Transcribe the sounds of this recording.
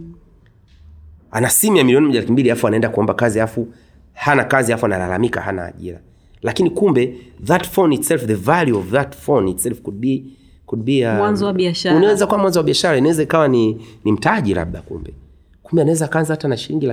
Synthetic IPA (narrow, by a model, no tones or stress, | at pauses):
a̰nasimijamiliɔnimɔʄalakimbiliafuanaɛndakuɔmbakaziafu | hanakaziafuanala̰lamika̰ha̰na̰ːʄḭɾa | lakinikumbɛðatfɔnitsɛlfðəvaljuɔvðatfɔnitsɛlfkudi | kudɓiawanzzɔwaɓiaʃaunaɛzakawamwanzɔwaɓiaʃaɾainawɛzaikawaninim̩taʄila̰ɓ̚ɗakṵmbɛ | kumbɛanawɛzaːkaanzahatanaʃiliŋɡila